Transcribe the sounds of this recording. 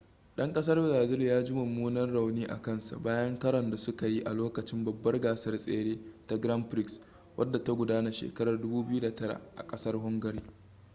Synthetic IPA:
ɗɐ˦ŋkʼɐ˦s̬ɐ˦rbɪ˨zaː˨zɪ˦ljaː˦d͡ʒɪ˦mʊ˨mːuː˦nɐ˦rɽa˨wniː˦ʔa̰˨kɐ˦nsa̰˨baː˦jɐ˦ŋkɐ˦ɾɐ˨nda˨sʊ˦ka˨ji˦ʔa˨loː˦kɐ˨t͡ʃɪ˦mbɐ˨bːɐ˦rɡaː˨sɐ˦rsʼḛː˦ɽeː˦ta˦ɡɾɐ˦mɸɾɪ˦ks | wʔɐ̰˦dːa˨ta˦ɡʷʊ˨daː˦na˨ʃḛː˨kɐ˦ɾɐ˨rdʊ˦buː˦bɪ˦ju˦da˨tɐ˦ɽa̰˨ʔa̰˨kʼɐ˦sɐ˦rɦʊ˦ŋɡɐ˨ɾiː˦

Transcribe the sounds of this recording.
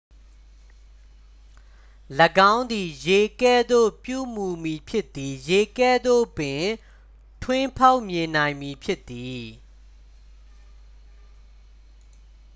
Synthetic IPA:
lə˨ɡã˦ʊ̃nd̪i˨je˨kɛ˦˨d̪o̰˦˨pjṵ˦˨mu˨mi˨pʰjɪ˦t̪ːi˨je˨kɛ˦˨d̪o̰˦˨pɪ̃˨ | tʰwɪ̃˦pʰa˦ʊʔmjɪ̃˨nã˨ɪ̃mi˨pʰjɪ˦t̪ːi˨

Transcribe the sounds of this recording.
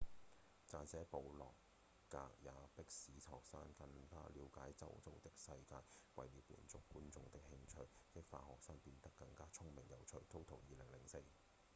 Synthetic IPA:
t͡saː˨˧nsɛː˨˥po˨˧wlɔ̰ː˨˩kː | aː˧k̚jaː˨˧pɪ˥k̚siː˨˥t̪ʰɔː˨k̚saː˥nkɐ˧nfaː˥liː˨˧wkaː˨˥jt͡sɐ̰˥wt͡so˥wt̪ɪ˥k̚sɐ˧jkaː˧jwɐ̰˨jliː˨˥wpːḭː˨˩nt͡sʊ˥k̚ːuː˥nt͡sʊ˧ŋt̪ɪ˥k̚hɪ˥ŋt͡ʃʰɵ˧ɥkɪ˥k̚fa̰ː˧thɔː˨k̚saː˥ŋpiː˧nt̪ɐ˥kːɐ˧ŋkaː˥t͡sʰʊ˥ŋmɪ˨˩ŋjɐ˨˩wt͡ʃʰɵ˨˩ɥt̪ʰo˥wt̪ʰʊ˨˩ŋjiː˨˧lɪ˨˩ŋlɪ˨˩ŋse˧j

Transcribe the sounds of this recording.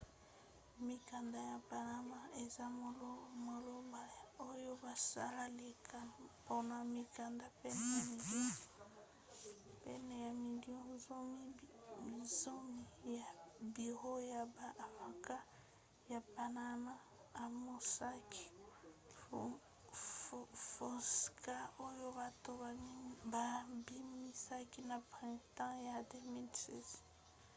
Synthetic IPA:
mi˨ka˨nda˨ja˨pa˨na˦ma˦e˨za˦˨lmo˨lo˦mba˨ja˨o˦jo˦ba˨sa˦la˦le˨ka˨po˦na˨mi˨ka˨nda˦pɛ˦nɛ˨ja˨mi˨do˦˨ | pɛ˦nɛ˨ja˨mi˨djo˦zo˦mi˦i˨zo˦mi˨ja˨bi˨ʁo˦ja˨ba˨ma˨ka˦ | ja˨pa˨na˦ma˦ | a˨mo˨sa˦ki̥˨ | fo˨ska˦o˦jo˦ba˨to˦ba˨mi˦ba˨bi˦mi˦sa˦ki˦na˨pʁɛ̃˨tɑ̃˦ja˨de˦mi˦lsɛ˦z

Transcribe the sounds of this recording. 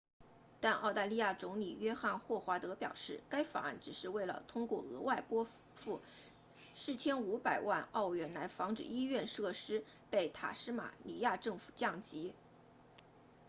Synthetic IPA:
t̪a˥˧nʔɑ˥˧ʊt̪a˥˧li˥˧ja˥˩t͡sʊ˧˥ŋli˨˩ɥɛ˥xa˥˧nxwɔ˥˩xwa˧˥t̪ɤ˧˥pjɑ̰˨˩ʊʂɻ̩˥˩ka˥ɪfa̰˨˩a̰˥˩nʈ͡ʂɻ̩˨˩ʂɻ̩˥˧we˥˩ɪlə̰˩t̪ʰʊ˥ŋkwɔ̰˥˩ɤ˧˥wa˥˩ɪpwɔ˥ | fu˥˩ | ʂɻ̩˥˩t͡ɕʰjɛ˥nu˧˥pa˨˩ɪwa˥˧nɑ˥˧ʊɥɛ˧˥nla˧˥ɪfɑ˧˥ŋʈ͡ʂɻ̩˨˩i˥ɥɛ˥˧nʂɤ˥˩ʂɻ̩˥ | pe˥˩ɪt̪ʰa̰˨˩ʂɻ̩˥ma̰˨˩li˧˥ja˥˧ʈ͡ʂɤ˥˩ŋfu̥˨˩t͡ɕjɑ˥˩ŋt͡ɕi˧˥

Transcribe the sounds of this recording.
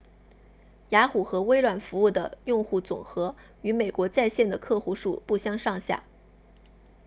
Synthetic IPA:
ja˧˥xu˨˩xɤ˧˥we˥ɪɻwa˨˩nfu˧˥u˥˩d̪ə˩jʊ˥˧ŋxu˥˩t͡sʊ̰˨˩ŋxɤ˧˥ | y˧˥me˨˩ɪkwɔ˧˥t͡sa˥˧ɪɕjɛ˥˩nd̪ə˩kʰɤ˥˧xu˥ʂu˥˩pu˥˧ɕjɑ˥ŋʂɑ˥˧ŋɕja̰˥˩

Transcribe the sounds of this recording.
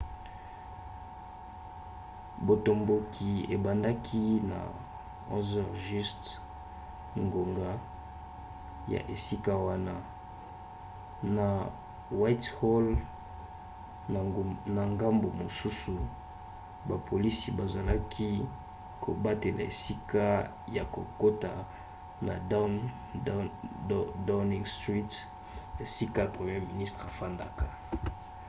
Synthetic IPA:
bo˨to˨mbo˨kʰi˨e˨ba˨nda˦kʰi˦na̰˨ | o̰˦zɔ˨ʁʒi˦st | ŋɡo˨ŋɡa˦ | ja̰˨ʔe˨si˦ka˦wa˦na˦ | na˨ | wa˦thɔ˦l | na˨ŋɡa˦mbo˨mo˨su˦su˨ | ba˨pʰo˨li˦si˨ba˨za˨la˦kʰi˦ | kʰo˨ba˦te˨la̰˨ḛ˨si˦ka˦ | ja˨ko˨ko˦ta˨ | na˨ | da˦ni˦ŋstʁi˦t | e˨si˦ka˦pʁe˨mje˦mi˨ni˦stχa˨fa˦nda˦ka˨

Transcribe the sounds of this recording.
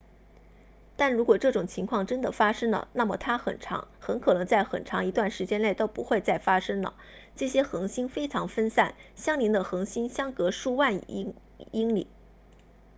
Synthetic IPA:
t̪a˥˩nɻu˧˥kwɔ˨˩ʈ͡ʂɤ˥˩ʈ͡ʂʊ˨˩ŋt͡ɕʰi˧˥ŋkʰwɑ˥˩ŋʈ͡ʂə˥nd̪ə˨fa˥ʂɤ˥ŋlə̰˨na˥˩mə˨˩t̪ʰa˥xə̰˨˩nʈ͡ʂʰɑ̰˧˥ŋxə˧˥nkʰɤ˨˩nɤ˧˥ŋt͡sa˥˩ɪxə̰˨˩nʈ͡ʂʰɑ˧˥ŋi˧˥t̪wa˥˩nʂɻ̩˧˥t͡ɕjɛ˥nle˥˩ɪt̪o˥ʊpu˧˥xwe˥˧ɪt͡sa˥˩ɪfa˥ʂɤ˥ŋlə̰˨˩ | ʈ͡ʂɤ˥˩ɕjɛ˥xɤ˧˥ŋɕi˥nfe˥ɪʈ͡ʂʰɑ˧˥ŋfə˥nsa˥˩nɕjɑ˥ŋli˧˥nd̪ə˧xɤ˧˥ŋɕi˥nɕjɑ˥ŋkɤ˧˥ʂu˥˧wa˥˩n˥ | i˥ŋlḭ˨˩˦

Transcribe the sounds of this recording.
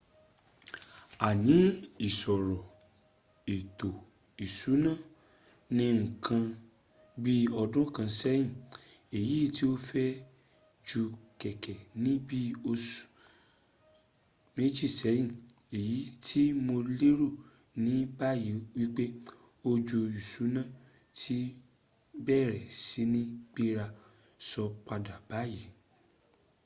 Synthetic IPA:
a˨nĩ˨˦i˨sɔ˨ɾɔ˨ | e˨to˨ | i˨su˨˦nã˦˨ | nĩ˧ŋ̩˨kʰã˧ | bi˦ɔ˧dũ˦kã˧sɛ˦jĩ˦˨e˨ji˨˦˨ti˦o˦fɛ˦ | d͡ʒu˧kɛ˨kɛ˨nĩ˦bi˦o˧s | me˦d͡ʒi˦˨sɛ˨˦jĩ˦˨ | e˨ji˨˦tʰi˦mo˧le˦ɾo˦˨ | nĩ˨˦ba˦ji˨˦wi˦k͡pe˦ | o˧d͡ʒo˧i˨su˨˦nã˦˨ | tʰi˦ | bɛ˦˨ɾɛ˨si˨˦nĩ˦k͡pi˦ɾa˧ | sɔ˧k͡pa˧da˨ba˨˦ji˨˦

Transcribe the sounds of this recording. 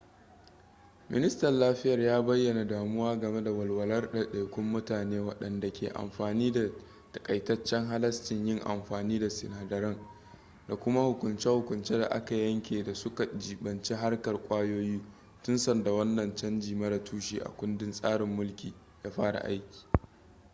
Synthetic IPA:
mʔɪ̰˦nɪ˦stɐ˨nlaː˦ɸɪ˦jɐ˨rjaː˦bɐ˦jːɐ˨na˨daː˨mʊ˦waː˦ɡɐ˨me˦da˨wɐ˨lwɐ˨lɐ˦rɗa˨ɗa˨kʷʊ˦mːʊ˦taː˨neː˦wɐ˦˨ɗɐ˨nda˨kʲʰeː˨ʔa̰˨mɸaː˨niː˦da˨ | tɐ̥˨kʼɐ˨jtɐ˦t͡ʃːɛ˦ŋɦa˦lɐ˦stɪ˨ɲjɪ˦ŋʔa̰˨mɸaː˨niː˦da˨sɪ˨naː˨dɐ˨ɾɐ˦ŋ | da˨kʷʊ˦ma˦hʊ˨kʷʊ˨nt͡ʃɛ˦hʊ˨kʷʊ˨nt͡ʃeː˦da̰˨ʔa̰˦ka˨jɐ˦ŋkʲeː˨da˨sʊ˦ka˨d͡ʒiː˨ɓɐ˨nt͡ʃi˦ɦa˦rkɐ˨rkʷʼaː˦joː˦jiː˦ | tʊ˦nsɐ˨nda˨wɐ˦nːɐ˨nt͡ʃɐ˦nd͡ʒiː˨mɐ˦ɾɐ˨tʰuː˦ʃḭː˨ʔa̰˨kʷʊ˦ndɪ˦nsʼaː˦ɽɪ˨mːʊ˦lkʲiː˨ | jaː˦ɸaː˦ɽa̰˨ʔa̰˦jkʲi̥ː˨

